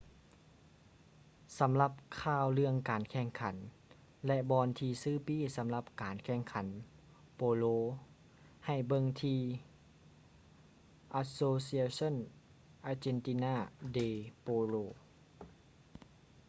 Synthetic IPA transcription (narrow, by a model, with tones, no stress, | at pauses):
sa˨˦mla˧p̚kʰaː˧˩wlɯ˧əŋkaː˨nkʰɛː˧˩ŋkʰa˩˦n | lɛ˧ʔbɔː˧nt̪ʰiː˧sɯː˧˩˨piː˧˥˨sa˨˦mla˧p̚kaː˨nkʰɛː˧˩ŋkʰa˩˦n | poː˧loː˧ | ha˨˩jbɤ˧ŋt̪ʰiː˧ | ʔa˧soː˧si˧a˧so˧˥˨n | ʔaː˧t͡ɕe˧˨nt̪i˧naː˧˩deː˧˩poː˧loː˧˨